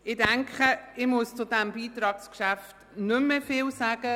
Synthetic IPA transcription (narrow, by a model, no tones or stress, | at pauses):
ɪdæŋkχəɪmust͡sʊdæmbiːtɾɑːkskʃæft | nʏmːəfɪlsaːɡ̥ə